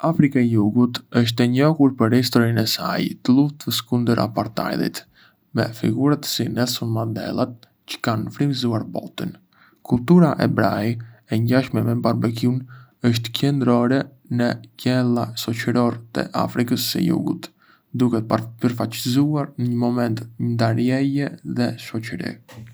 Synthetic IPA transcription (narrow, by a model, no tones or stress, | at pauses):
afɾikaɛjuɡut̪əʃ̬t̪ɛɲɔhuɾpəɾhist̪ɔɾinɛsa̰jt̪əlˠuft̪əskund̪əɾʔa̰paɾt̪a̰jlˠḭt̪ | mɛ̰fḭɡuɾat̪sinɛsunmad̪ɛ̰lˠat̪̚ | cə̥kanfɾimzuaɾbɔ̰t̪ə̰n | kulˠt̪uɾaʔɛ̰bɾajɛɲɟaʃmɛmɛmbaɾbɛkunəʃ̬t̪cɛnd̪ɾɔɾɛ | nəcɛlˠaʃɔt͡ʃəɾɔɾt̪ə̰ʔa̰fɾikəsːə̰jṵɡṵt̪ | d̪ukɛt̪ppəɾfat͡ʃizuaɾnəɲəmɔmɛnt̪ɲənd̪aɾjɛjɛðɛʃɔt͡ʃəɾḭ